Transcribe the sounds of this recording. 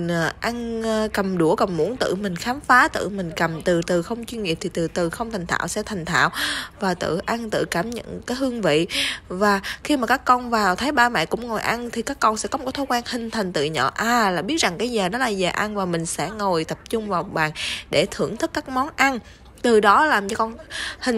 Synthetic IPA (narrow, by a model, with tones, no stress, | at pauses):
n˨˩ʔa˧n˧kə˨˩mɗu˧˩əkə˨˩mmu˧˥ənt̪ɨ̰˧˨mï˨˩ŋ̟xaː˨˦mfaː˨˦t̪ɨ̰˧˨mï˨˩ŋ̟kə˨˩mt̪ɨ˨˩t̪ɨ˨˩xə˧wŋ͡mt͡ɕwi˧nŋḭ˨əp̚t̪ʰi˨˩t̪ɨ˨˩t̪ɨ˨˩xə˧wŋ͡mt̪ʰa˨˩jŋ̟t̪ʰa̰ː˧˨wsɛ̰˧˥t̪ʰa˨˩jŋ̟t̪ʰa̰ː˧˨wvaː˨˩t̪ɨ̰˧˨ʔa˧nt̪ɨ̰˧˨kaː˧˩mɲə̰˧˨nkaː˨˦jɦɨ˧əŋvḭ˧˨vaː˨˩xi˧maː˨˩kaː˦˥kːɔ˧nvaː˨˩wt̪ʰaː˨˦jɓaː˧mɛ̰˧˨jkʊ̰˧˥ŋ͡mŋo˨˩jʔa˧nt̪ʰi˨˩kaː˦˥kːɔ˧nsɛ̰˧˥kɔ˨˦mo˨˩k̚t̪ʰo˧˦kwaː˧nhï˨˩ŋ̟t̪ʰa˨˩ŋ̟t̪ɨ̰˧˨ɲɔ̰ː˧˨ʔaː˧˨˩laː˨˩ɓi˦˥ət̚za˨˩ŋkaː˨˦jzəː˨˩ɗɔ˨˦laː˨˩zaː˨˩ʔa˧nvaː˨˩mï˨˩ŋ̟sɛ̰˧˥ŋo˨˩jt̪ə˨˩p̚t͡ɕʊ˧ŋ͡mvaː˨˩ɓaː˨˩nɗe˧˩t̪ʰɨ˧˩əŋt̪ʰɨ˦˥kːaː˦˥k̚mɔ˨˦nʔa˧n | t̪ɨ˨˩ɗɔ˨˦laː˨˩mt͡ɕɔ˧kɔ˧nhï˨˩ŋ